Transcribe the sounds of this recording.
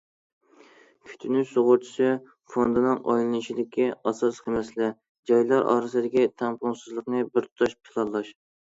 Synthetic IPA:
kʲʰy̥t̪ʰynysoʁʊɾt͡ʃʰi̥sɨ | fond̪ɨnɨŋʔɑ̰jlˠɨnɨʃid̪ɪkʲʰːiɑsɑsqʰəmɛslɪ | d͡ʒɑjlˠɑɾʔɑ̰ːɾɨsɨd̪ɪkʲit̪ʰæmpʊŋsɨzlˠəqnɨbɪɾt̪ʰt̪ʰɑʃpʰɨ̥lˠɑnlˠɑʃ

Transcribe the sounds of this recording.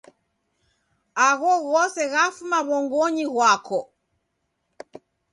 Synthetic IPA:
aɣɔɣɔsɛɣafumaβɔŋɡɔɲiɣwakʰɔ

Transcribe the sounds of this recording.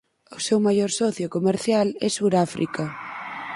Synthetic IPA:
ʊsewmajɔɾsɔθjokomeɾθjalɛsuɾafɾʔḭkɐ

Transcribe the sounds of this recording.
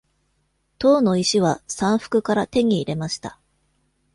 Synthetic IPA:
t̪o̞ːno̞iɕiβ̞asãɰ̃ɸɯ̟̥kɯ̟kaɾat̪e̞ɲ̟iːɾe̞maɕi̥t̪a

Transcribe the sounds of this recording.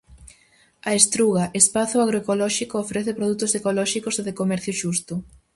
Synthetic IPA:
ɐest̪ɾuɣaʔespaθʊaɣɾoekolɔʃikoofɾɛθepɾoðut̪ʊsekolɔʃikoseðekomɛɾθjʊʃust̪ʊ

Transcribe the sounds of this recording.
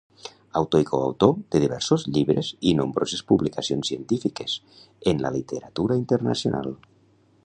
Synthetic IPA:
awt̪oikoa̰wt̪od̪̥eðiβɛɾsozʎiβɾezinombɾozespuβlikasionsient̪ifikes | enla̰lit̪eɾat̪uɾaint̪eɾna̰sjonʔa̰lˠ

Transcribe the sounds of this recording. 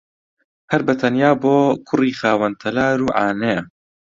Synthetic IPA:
hɐɾbɐt̪ʰɐnjaːboːkʰʊriːxaːwɐnt̪ʰɐlaːɾuːʕaːnejɐ

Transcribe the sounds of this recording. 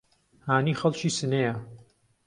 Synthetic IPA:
haːniːxɐlt͡ʃiːsɨnejɐ

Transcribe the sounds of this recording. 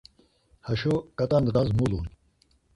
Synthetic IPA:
hɐɕokɐt̪ɐnd̪ɾazmulun

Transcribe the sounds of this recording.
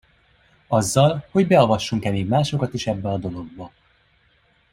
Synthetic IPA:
ɒzːɒlho̞ɟbɛovɒʃːuŋkɛmeːɡmaːʃo̞kɒt̪iʃɛbːɛɒd̪o̞lo̞ɡ̚bɒ

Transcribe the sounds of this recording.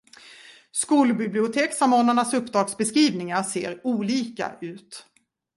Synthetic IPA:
skuːlbɪblɪʊt̪ʰeːksamoːnaɳasɵpːd̪ɾɑːɡsbɛskɾiːvnɪŋaɾseːɾuːliːka̰ʔʉ̟ːt̪

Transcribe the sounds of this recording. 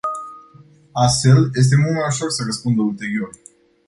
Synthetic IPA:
ast̪fe̞lje̞s̬t̪e̞mult̪majuʃo̞rsərəspund̪əult̪e̞ɾio̞r

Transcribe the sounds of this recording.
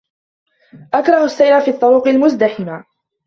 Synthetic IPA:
ʔakɾˤɑhʊsːajɾafiːt̪ˤːʊɾuːqɪlmʊzd̪aħɪma

